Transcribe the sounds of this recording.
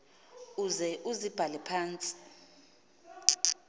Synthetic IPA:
uzɛʔuzib̥ʱalɛpʰaːnt͡sʼi̥

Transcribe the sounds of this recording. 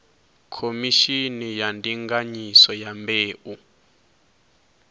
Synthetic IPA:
kʰomiʃinijandʱiŋɡaɲisɔjambʱeːʔu

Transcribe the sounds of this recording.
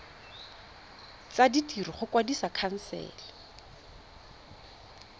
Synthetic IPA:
t͡saditʼiriχʊkwadisakʰan̩sɛ̰ːla

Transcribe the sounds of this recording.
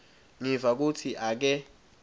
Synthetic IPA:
ŋivak̬utʰiʔak̬ɛ

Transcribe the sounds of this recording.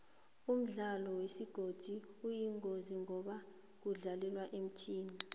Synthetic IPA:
um̩ɮalɔwesiɡ̥ʱod̥ʱiujiŋoziŋɔɓa | k̬uɮalɛlwaʔem̩tʰiːni

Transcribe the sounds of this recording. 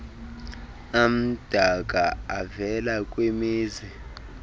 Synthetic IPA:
am̩d̥ʱak̬ʼaavɛlak̬ʼwemiːzi

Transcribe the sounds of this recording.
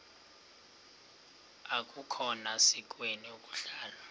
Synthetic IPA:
ak̬ʼukʰɔnasik̬ʼweniokʼu̥ɬaːla

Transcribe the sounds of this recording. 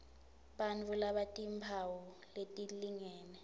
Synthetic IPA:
ɓanvulaɓatʼimpʰawɔ | letʼiliŋɛːnɛ

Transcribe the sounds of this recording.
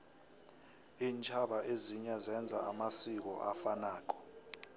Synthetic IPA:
iːnt͡ʃʰaɓaʔeziɲazɛnd͡zʱaamasik̬ɔʔafanaːk̬ɔ̥

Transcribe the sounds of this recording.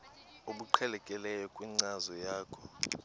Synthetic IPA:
oɓuǃʰɛlɛkʼɛlɛjɔkʼwiŋ͡ǀazɔjaːkʰɔ

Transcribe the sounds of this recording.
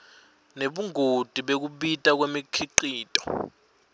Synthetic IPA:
neɓuŋʱod̥ʱʼiɓek̬uɓitʼak̬wemikʰiǃiːtʼɔ̥

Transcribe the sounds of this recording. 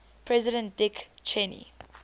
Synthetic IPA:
pʰɹɛzɪɾə̃nt̚dɪkt͡ʃʰɛnḭ

